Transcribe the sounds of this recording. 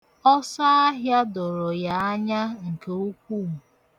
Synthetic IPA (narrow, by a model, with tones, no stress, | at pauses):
ɔ˦sa˦a˦ɦja˦dɔ˨ɾɔ˨ja˨a˦ɲa˦ŋ̩˨ke˨u˦kʷu˦˨m̩˨